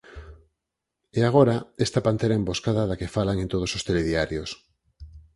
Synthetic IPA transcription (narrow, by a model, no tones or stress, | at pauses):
eaɣ̞oɾaest̪apant̪eɾaẽmboskaðaðakefalaŋẽnt̪oð̞osost̪eleðiaɾjos